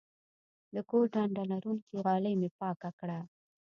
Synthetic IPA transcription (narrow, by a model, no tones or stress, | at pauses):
d̪əkoɾɖaɳɖalaɾunkiɣɑləjmepɑkakɽa